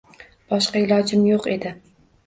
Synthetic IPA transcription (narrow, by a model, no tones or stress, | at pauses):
b̥ɒʃqɑɪlˠɒd͡ʒɪmjoqe̞d̪ɪ